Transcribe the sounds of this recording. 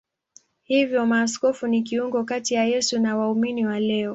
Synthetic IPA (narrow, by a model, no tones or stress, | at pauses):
hivjɔmaːs̬kɔfunik̬iuŋɡɔkatijajɛsunawauminiwalɛɔ